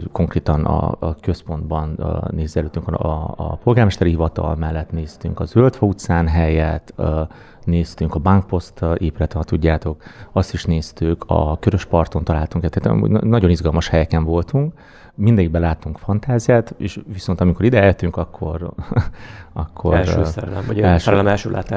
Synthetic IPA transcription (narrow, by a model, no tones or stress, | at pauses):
ko̞ŋkreːt̪ɒnɒ̰kø̞spo̞nd̪bɒnneːzɛløːt̪ːyŋkːpo̞lɡaːrmɛʃt̪ɛɾiɦivɒt̪ɒ̰lmɛlːɛt̪neːst̪y̰ŋkɒzølt̪fɒut̪saːnɦɛjɛt̪ː | neːst̪yŋkɒbaŋk̚po̞st̪eːpylɛt̪ɛnɛt̪ːuɟːaːt̪o̞kɒst̪iʃneːst̪økʰɒ̰køɾøʃpɒrt̪o̞nt̪ɒlaːlt̪uŋkɛt̪ːeːt̪mṵɟnɒɟo̞nizɡɒlmɒʃhɛjɛkɛɱvo̞lt̪uŋk | mind̪ɛɟiɡ̚bɛlaːt̪ːuŋkfɒnt̪aːzijaːt̪ḛːʃʋiso̞nt̪ɒmiko̞ɾid̪ɛɛljøt̪ːyŋkɒkʰːo̞r | ɒkʰːo̞̰ɾlølmoɛlʃɛmɛlʃølʔa̰ːt̪a